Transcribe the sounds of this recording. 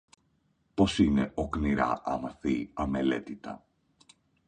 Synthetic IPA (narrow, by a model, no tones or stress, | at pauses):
po̞sine̞ʔo̞kniɾɐ̰ʔɐmɐθiɐme̞le̞t̪it̪ɐ̰